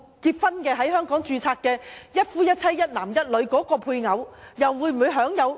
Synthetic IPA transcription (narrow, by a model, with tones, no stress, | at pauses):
kiː˧t̚fɐ˥nkɛː˧ɦɐ˨˥jɦœː˥ŋkɔː˨˥ŋt͡ʃyː˧t͡sʰaː˧kkɛː˧jɐ˥t̚fuː˥jɐ˥t̚t͡sʰɐ˥jːɐ˥t̚naː˨˩mjɐ˥t̚lɵ˨˧ɥkɔː˨˥kɔː˧pʰuː˧jŋɐ˨˧wjɐ˨wwuː˨˧jm̩˨u˨˧jɦœː˨˥ŋjɐ˨˧w